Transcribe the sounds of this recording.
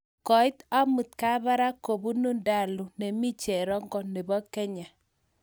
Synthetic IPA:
kɔ˨ɪ˦t̪a˦mu˨t̪̚ka˦βa˦ɾa˦ko˨bu˦nu˦nda˦˨lu˨nɛ˨mi˦t͡ʃɛ˨ɾɔ˦ŋɡɔ˦ne˨bɔ˦kɛ˦ɲa˨

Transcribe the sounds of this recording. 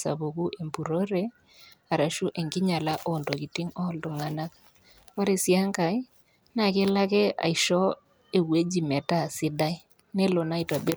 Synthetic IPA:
sa̰˨βo˨ku˦ʔe˨mpu˨ɾo˦ɾe˦ | a˨ɾa˨ʃu˦ʔe˨ŋɡɪ˦ɲa˨la˦ʔɔ˦˨ndo˨ki˨ti˦ŋɔ˦ldɔ˨ŋa˨na˦k̚ | kɔ˦ɾe˨sja˦ŋka˨i˦ | na˨ke˦la˦kɛ˦ʔa̰˨i˨ʃɔ˦ | e˨we˦d͡ʒi˨mɛ˨ta˦˨sɪ˦da˦i˦ | nɛ˦lo˨na˦i˨ta˨be˦

